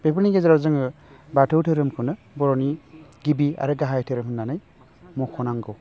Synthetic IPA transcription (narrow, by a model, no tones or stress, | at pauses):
b̥epʰɯniɡezɾawzɯŋɯbatʰɯwtʰɯɾɯmkʰɯnɯ | bɔɾɔniɡibia̰ɾɯɡaɦajtʰeɾɯmɦɯnːanɯj | mukʰɔnaŋɡɯw